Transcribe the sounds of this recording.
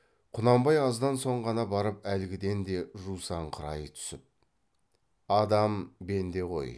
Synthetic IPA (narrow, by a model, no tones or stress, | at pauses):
qʰʊnɑmbɑjɑzd̪ɑnso̞ɴʁɑnɑbɑɾəpælɪɡʲɪd̪e̞nd̪e̞ʒusɑɴqʰəɾɑjət̪ʰʏ̥sɪp̚ | ɑd̪ɑmbe̞nd̪e̞ʁʰo̞̰j